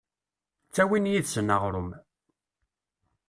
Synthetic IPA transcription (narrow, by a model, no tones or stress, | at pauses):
t͡sːæwinjiðsənəʁɾʊm